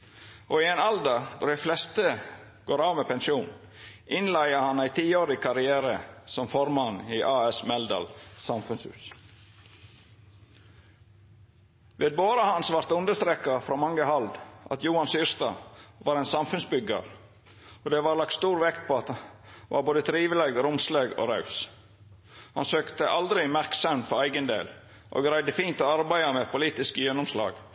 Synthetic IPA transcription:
ʔoːɪeːnɑld̪ɑd̪ɔɾɖ̪æɪflɛst̪ə | ɡ̥oːɾɑːʋmeːpɛnʃuːn | ʔɪnlæɪəhɑnæɪt̪ʰiːoːɾɪkʰɑɾɪæːɾəsɔmfɔɾmɑniːʔɑːɛsmɛld̪ɑ̰lsɑmfʉnshʉ̰ːs | ʋeːd̪̚boːɾɑhɑnsʋɑɾt̪ʉnd̪əst̪ɾeːkɑfɾoːmɑŋːəhɑld̪ʔɑ̰t̪juːɑnsyːɾst̪ɑ̰ʋɑːɾɛnsɑmfʉnsbʏɡə̰ɾ | oːd̪eːʋɑːɾlɑk̚t̪st̪uːɾʋɛkt̪̚pʰoːɑt̪ʋɑ̰ːɾboːd̪ət̪ʰɾiːʋəleɡɾʊmsleːɡo̰ːɾɑʉs | hɑ̰nsøːkt̪əʔɑld̪ɾɪmæɾksɑmt̪fɔɾæɪɡənd̪ḛːl | ʔo̰ːɡɾæɪd̪əfiːnt̪oːɑɾbæɪɑmeːpʰʊliːt̪ɪskəjɛnʊmslɑ̰ːɡ̥

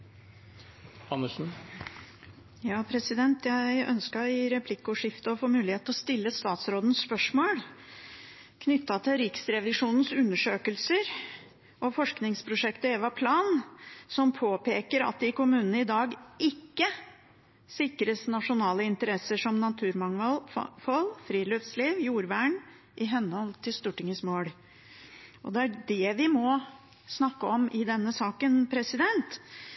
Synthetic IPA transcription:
ɑnːəʂn̩ | jɑːpʰɾɛsɪd̪ɛnt̪jæɪœ̰nskɑɪɾɛpʰlɪkːʊʂɪft̪əɔfoːmʉːlɪheːt̪ɔst̪ɪlːəst̪ɑːt̪sɾoːd̪n̩sːpœʂmoːl | kʰnʏt̪ːɑt̪ʰɪɾɪksɾɛʋɪʂuːnn̩sʉnːəʂøːkəlsəɾ | ʔɔfɔʂknɪŋspʰɾʊʂɛkt̪əeːʋɑpʰlɑːnsɔmpʰoːpʰeːkəɾɑ̰t̪̚d̪ɪkʊmʉːnnəɪd̪ɑːɡɪkːə | sɪkɾəsnɑʂʊnɑːləɪnt̪əɾɛsəʂɔmnɑt̪ʰʉːɾmɑŋɑlfɔlfɾiːløfsliːʋjuːɾʋæːɳ | ʔɪɦɛnːəhɔlt̪ʰɪlst̪uːʈɪŋəsmoːɽ | ʔɔd̪ɛæɖɛʋɪmɔ | snɑkːəɔmʔɪd̪ɛnːəsɑːkənpʰɾɛsɪd̪ɛnt̪

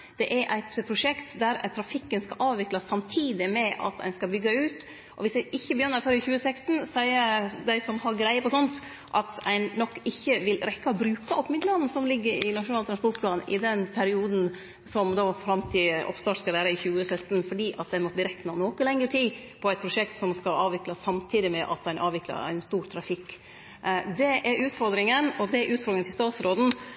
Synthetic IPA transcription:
d̪̥ɛʔæɾʔæɪt̪pʰɾʊʂɛkt̪d̪æɾt̪ʰɾɑfɪkːənskɑʔɑːʋʋɪklɑsːɑmt̪ʰiːd̪ɪmɛʔɑ̰t̪æ̰ɪnskɑbʏɡːɑʉːt̪ | ʔɔʋɪsæɪʔɪçːəbəjœnːəɾføɾɪçʉːəsɛkst̪n̩sæɪəd̪æɪsɔmhɑɾɡɾæɪəpʰɔsɔnt̪ | ʔɑt̪æɪnːɔkːɪçːəʋɪlɾɛkːɑbɾʉːkɑɔpmɪd̪ləɑn̩ːsɔmlɪɡːəɾɪnɑʂʊnɑːlt̪ʰɾɑnspɔʈpʰlɑːnʔɪ̰d̪ɛnpʰæɾɪuːd̪n̩ | sɔmd̪ɑːfɾɑmt̪ʰɪʔɔ̰pst̪ɑːʈskɑʋæːɾəɪçʉːəsœt̪ːn̩fɔɖiːʔɑt̪̚d̪æɪmɔt̪̚ːb̪liːɾɛknɑnoːkəlɛŋːəʈʰiː | pʰɔæɪt̪pʰɾʊʂɛkt̪sɔmskɑɑːʋɪklɑsːɑmt̪ʰiːd̪ɪmɛʔɑ̰t̪æɪnʔɑ̰ːʋɪklɑ̰ɾæ̰ɪnst̪uːɾt̪ʰɾɑfɪkː | d̪ɛʔɛɾʉːt̪fɔɾd̪ɾɪŋənɔd̪ɛɾʔʉːt̪fɔɾd̪ɾɪŋət̪ɪst̪ɑːt̪sɾoːd̪n̩

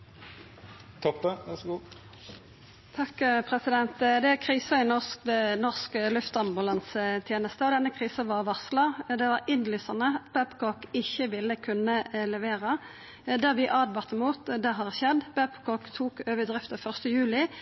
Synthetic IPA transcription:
t̪ʰɔpd̪əʋæsɡu | t̪ʰɑkpʰʁɛsɪd̪ɛnt̪d̪ɛækʰʁiːsɑɪnɔsk̚d̪ɛnɔʁskəlʉft̪ɑmbʊlɑnsət̪ʰjeːnəst̪əɔd̪ɛnːəkʰʁiːsɑʋɑʁʋɑslɑd̪ɛʋɑʁɪnlyːsɑʁnəb̥æpkɔkɪçəʋɪlːəkʰʉnəlɛʋeːʁə | d̪æʁʋɪʔɑːd̪ʋɑʁt̪ːəmuːt̪d̪ɛɦɑːʁçɛd̪ːb̥æpkʰɔkt̪ʰuːkøːʋəd̪ʁɪft̪əfœʁst̪əjʉːlɪ

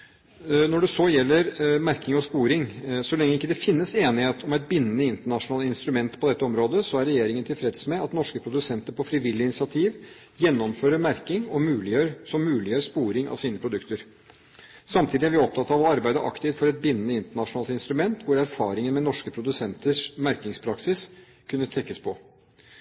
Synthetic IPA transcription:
nɔɖɛsɔjɛlːəɾmæɾkɪŋɔspuːɾɪŋsɔlɛŋːəɪkːəd̪ɛfɪnːəseːnɪheːt̪ʰɔmæɪt̪̚bɪnːənəɪnt̪əɳɑʂʊnɑːlɪnst̪ɾʉmɛnt̪pʰɔd̪ɛt̪ːəɔmɾoːd̪əsɔæɾːɛjeːɾɪŋənt̪ʰɪlfɾɛd̪smɛɑt̪nɔʂkəpʰɾʊd̪ʉsɛnt̪əɾpɔfɾɪʋɪlːɪɪnɪsɪɑt̪ʰiːʋ | jɛnːɔmføːɾəɾmæɾkɪŋɔmʉːlɪjøɾsɔmːʉːlɪjøːɾspuːɾɪŋɑ̰ʋsiːnəpʰɾʊd̪ʉkt̪əɾ | sɑmt̪ʰiːd̪ɪæɾʋɪɔp̚t̪ʰɑt̪ːɑʋɑɾbæɪd̪əʔɑ̰kt̪ɪft̪fɔɾɛt̪̚bɪnːənəɪnt̪əɳɑʂʊnɑːlt̪ɪnst̪ɾʉmɛnt̪ʰʋʊɾæɾfɑːɾɪŋənmɛnɔʂkəpʰɾʊd̪ʉsɛnt̪əʂmæɾkɪŋspʰɾɑksɪs | kʰʉnːət̪ʰɾɛkːəspʰɔ

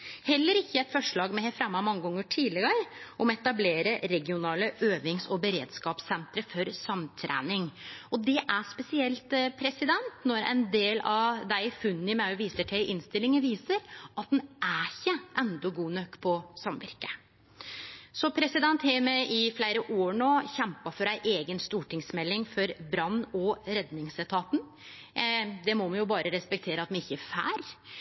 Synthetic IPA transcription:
hɛlːəɾɪçːəɛɪt̪fɔʂɭɑːɡmɛhɛfɾɑmːɑmɑŋːəɡɔŋːəʈʰiːd̪lɪɡəɾʔɔmɛt̪ɑbleːɾəɾɛɡɪʊnɑːləʔøːʋɪŋsɔbəɾḛːd̪skɑːpsɛnt̪ɾəfɔɾsɑmt̪ʰɾæ̰ːnɪŋɔd̪ɛʔæspɛsɪɛlt̪pʰɾɛsɪd̪ɛnt̪nɔɾæ̰ɪnd̪eːlɑʋd̪æɪfʉnːɪmɑʉʋiːsəʈʰɛɪʔɪnst̪ɪlɪŋəʋiːsəɾʔɑt̪̚næçəʔɛnd̪ɔɡuːnœkːpʰɔsɑmʋɪ̰ɾkə | sɔpʰɾɛsɪd̪ɛnt̪hɛːmɛʔɪflæɪɾəʔoːɳoːçɛmpɑfɔɾæɪʔeːɡənst̪uːʈɪŋsmɛlːɪŋfɔɾbɾɑnːɔɾɛd̪nɪŋsɛt̪ʰɑːt̪n̩ | d̪ɛmɔmɛnjʊbɑːɾʔəɾɛspɛk̚t̪ʰeːɾəɑt̪mɛnɪçːəæfæ̰ːɾ

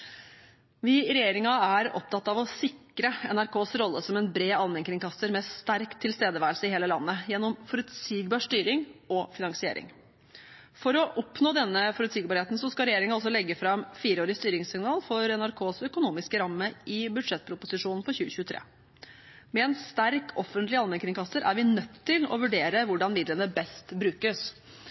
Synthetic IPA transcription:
ʋɪɾɛjeːɾɪŋɑæɾɔ̰p̚t̪ʰɑt̪ːɑʋɔsɪkɾəɛnæɾkʰoːsɾɔlːəsɔmɛnbɾeːɑnʋɛŋkɾɪŋkɑst̪əɾmɛst̪æɾkt̪ʰːɪlst̪eːd̪əʋæːɾəlsəɪheːləlɑnːəjɛnːɔmfɔɾʉt̪siːɡbɑːɾʂt̪yːɾɪŋɔfɪnɑŋsɪḛːɾɪ̰ŋ | fɔɾɔʔɔpnoːd̪ɛnːəfɔɾʉt̪siːɡ̚bɑɾheːt̪n̩sɔskɑɾɛjeːɾɪŋəɑls̬ɔlɛɡːəfɾɑmfiːɾəoːɾɪst̪yːɾɪŋsɪŋnɑːlfɔɾɛnæɾkʰoːsœkʊnuːmɪskəɾɑmːəʔɪbʉd̪ʂɛt̪̚ːpʰɾʊpʊsɪʂuːnn̩fɔɾçʉːəçʉːt̪ʰɾḛː | mɛɛnst̪æɾkʰɔfːənt̪lɪɑlmɛnkʰɾɪŋkʰɑsəɾæɾʋɪnœt̪ʰːɪlɔ̰ʋʉɖeːɾəʋʊɖɑnmɪd̪lənəbɛst̪bɾʉːkəs

